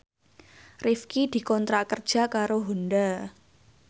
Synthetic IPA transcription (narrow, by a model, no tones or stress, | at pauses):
rifkid̪̥i̤kɔnt̪ɾakər̥ʒ̥a̤kaɾoɦunda